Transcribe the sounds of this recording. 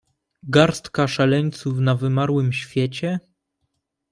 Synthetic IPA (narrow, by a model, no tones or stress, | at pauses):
ɡaɾst̪kaʂalɛɲt̪sufnavɘmaɾwɘmɕfʲjɛt͡ɕɛ